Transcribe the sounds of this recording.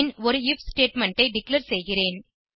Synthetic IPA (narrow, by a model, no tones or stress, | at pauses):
nɔɾɯɪfsʈeːʈmɛɳʈɐɪɖɪkleɾsɛjɣɪreːn